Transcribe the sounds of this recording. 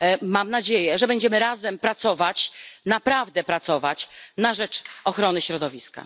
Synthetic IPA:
mamnad͡ʑejɛʐɛbɛɲd͡ʑɛmɘɾazɛmpɾat̪sɔvat͡ɕnapɾavd̪ɛpɾat̪sɔvat͡ɕnaʐɛt͡ʂɔxɾɔnɘɕɾɔd̪ɔvʲiska̰

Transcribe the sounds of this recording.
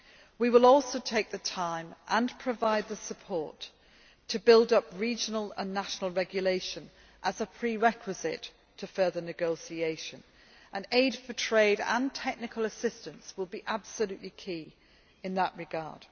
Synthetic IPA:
wiwəlˠɔˑlˠsoʊtʰeɪk̚ðɨtʰãɪ̃mʔə̃npʰɹ̥əvaɪd̪̚ðəsəpʰɔɹtʰ | əbɪlˠdʌpɹid͡ʒənəlˠə̰̃nːaʃnl̩ˠɹɛɡjəleɪʃə̃n | ʔəzəpʰɹ̥iɹɛkʰwɨzɪ̰tʰ | əfɜ˞ðə˞nɨɡoʊsieɪʃɨ̃n | ʔə̃neɪd̥fətʰɹ̥eɪɾə̰̃ntʰɛk̚nɨkʰəlˠəsɪstə̃nswəlˠbiʔab̥səlʉʔlikʰi | ɨ̃nðəʔɹɨɡɑ̰ɹd̥

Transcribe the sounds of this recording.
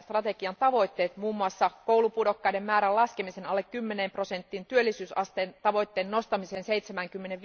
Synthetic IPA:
st̪rɑt̪e̞kiɑnt̪ɑʋo̞jt̪ːeːt̪muːmːuɑsːɑkowlupudokːɑjdemmæːɾælɑskemisenɑlːekkːymːenempro̞sent̪ːint̪yølːisyːsɑst̪ent̪ɑʋoit̪ːeːnːost̪ɑmiseːnseit̪semæŋkymːeneʋ

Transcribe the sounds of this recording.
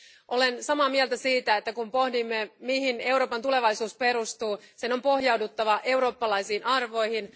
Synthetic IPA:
ʔo̞lensɑmɑːmiɛlt̪æsiːt̪æet̪ːækumpo̞hdimːemiɦine̞wɾo̞ːpɑnt̪ule̞ʋɑisuːspe̞ɾust̪uːseno̞mpo̞ɦjɑwdut̪ːɑʋɑʔe̞wɾo̞ːpːɑlɑjsiːnʔɑrʋo̞jhin

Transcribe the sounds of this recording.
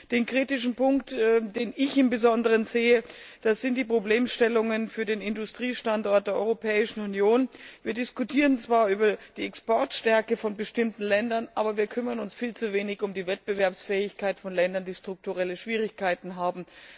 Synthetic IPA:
d̥eːnkʁ̥iːtɪʃn̩pʊŋktːdeːnɪçɪmbəzɔndəʁ̞ənzeːəd̥asz̥ɪntd̥iːpʁ̥obleːmʃtɛlʊŋənfyːɐdeːnɪndʊstʁ̥iːʃtantɔɐt̚d̥eːɐʔɔ̰ʏʁopʰɛːɪʃn̩unjoːnviːɐdɪskutʰiːʁənt͡sv̥aːɐʔyːbɐd̥iːɛkspɔɐtʃtɛɐkəfɔnbəʃtɪmtn̩lɛndɐnʔaːbɐviːɐkʰʏmɐʁənʊnsfiːlt͡suveːnɪçʊmdiːvɛt̚b̥əvɛɐpsfɛːɪçkʰaɪtfɔnlɛndɐndiːʃtʁ̥ʊk̚tuʁɛləʃv̥iːʁɪçkʰaɪtn̩ɦaːbm̩

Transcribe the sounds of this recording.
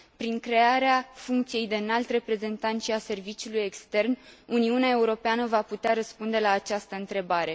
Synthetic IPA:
pɾiŋkɾe̞aɾeafuŋk̚t̪sije̞jd̪eɨnalt̪re̞pɾe̞ze̞nt̪ant̪ʃiase̞rvit͡ʃiuuluje̞kst̪e̞rnuniuneae̞uɾo̞peanəvaput̪eaɾəspund̪e̞laːt͡ʃast̪əɨnt̪ɾe̞baɾe̞

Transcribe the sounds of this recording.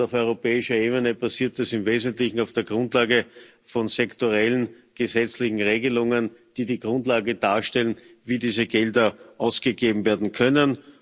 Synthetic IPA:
aʊfɔʏʁopɛːɪʃɐeːβənəbasiːɐt̚dasɪmveːzəntlɪçŋ̩aʊfd̥eːɐɡʁʊntlaːɡə | fɔnzɛktoʁɛlən̩ | ɡ̥əzɛt͡slɪçŋ̩ʁeːɡəlʊŋənd̥iːdiːɡʁʊ̃ntlaːɡəd̥aːɐʃtɛlən | viːdiːzəɡɛldɐʔaʊsɡ̥əɡeːbm̩veːɐdn̩kʰœnən

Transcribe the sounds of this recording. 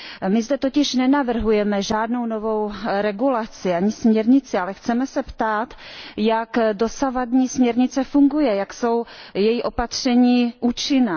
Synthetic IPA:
mɪzdɛt̪o̞cɪʃnɛnavr̩ɦujɛmɛʒaːdno̞wno̞vo̞wɾɛɡulat͡sɪaɲɪsmɲɛɾɲɪt͡sɪalɛxt͡sɛmɛsɛpt̪aːt̪jakdo̞savadɲiːsmɲɛɾɲɪt͡sɛfuŋɡujɛjakso̞wjɛjiʔo̞pat̪r̝̥ɛɲiːʔuːt͡ʃɪna

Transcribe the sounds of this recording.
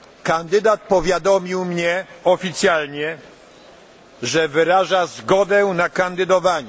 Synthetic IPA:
kand̪ɘd̪at̪̚pɔvʲjad̪ɔmʲiwmɲɛɔfʲit̪sʲjalɲɛ | ʐɛvɘɾaʐazɡɔd̪ɛnakand̪ɘd̪ɔvaɲɛ

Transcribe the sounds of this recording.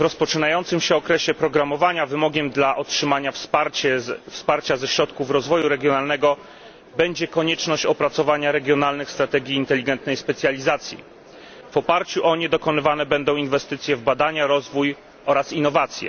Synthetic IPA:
vɾɔspɔt͡ʂɘnajɔnt̪sɘmɕɛɔkɾɛɕɛpɾɔɡɾamɔvaɲavɘmɔɡʲɛmd̪laʔɔtʂɘmaɲafspaɾɛfspaɾt͡ɕazɛɕɾɔt̪kufɾɔzvɔjuɾɛɡʲjɔnalnɛɡɔ | bɛɲd͡ʑɛkɔɲɛt͡ʂnɔɕt͡ɕɔpɾat̪sɔvaɲaɾɛɡʲjɔnalnɘxst̪ɾat̪ɛɡʲiːnt̪ɛlʲiɡɛnt̪nɛjspɛt̪sʲjalʲizat̪sʲjḭ | vɔpaɾt͡ɕuʔɔɲɛd̪ɔkɔnɘvanɛbɛnd̪ɔ̃w̃invɛst̪ɘt̪sʲjɛvbad̪aɲaɾɔzvuj | ʔɔɾasinːɔvat̪sʲjɛ̰

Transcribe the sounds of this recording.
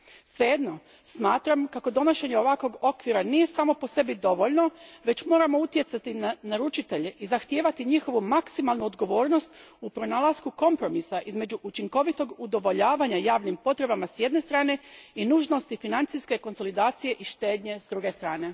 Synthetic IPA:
sʋe̞je̞d̪no̞ | smaːt̪ɾamkako̞d̪o̞noʃe̞ɲeo̞ʋakʋo̞ɡo̞kʋiɾanije̞saːmo̞po̞se̞bid̪o̞ʋo̞ʎno̞ʋe̞t͡ɕmo̞ːɾamo̞ut̪je̞t̪sat̪inanaɾut͡ʃit̪e̞ʎe̞ʔizaxt̪je̞ːʋat̪iɲixo̞ʋumaksimalˠnuod̪ɡo̞ʋo̞ːɾno̞st̪upɾo̞nalaskuko̞mpɾo̞misaʔizme̞d͡ʑuʔut͡ʃiŋko̞ʋit̪o̞ɡud̪o̞ʋo̞ʎaːʋaɲajaːʋnimpo̞t̪ɾe̞bamasje̞d̪ne̞st̪ɾaːne̞inuːʒno̞st̪ifinant̪siske̞ko̞nso̞lid̪aːt̪sije̞ʔiʃt̪e̞ːd̪ɲe̞zd̪ɾuɡe̞st̪ɾaːne̞

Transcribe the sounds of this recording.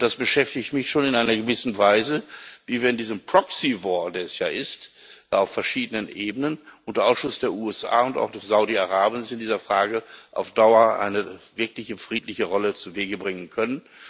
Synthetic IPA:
d̥asb̥əʃɛftɪçtmɪçʃoːnɪnʔaɪnɐɡəvɪsn̩vaɪzəviːviːɐɪndiːzəmpʁ̥ɔksivɔːɐdeːɛsjaːʔɪst | aʊfɛɐʃiːdənənʔeːbənənʔʊntdɐʔaʊsʃʊsd̥eːɐʔuːɛsʔa̰ːʊnta̰ʊxd̥ɛsz̥aʊdiaʁaːbənsɪndiːzɐfʁ̥aːɡəʔa̰ʊfd̥aʊɐʔa̰ɪnəvɪɐklɪçəfʁ̥iːtʰlɪçəʁɔlət͡suːveːɡəbʁɪŋənkʰœnən

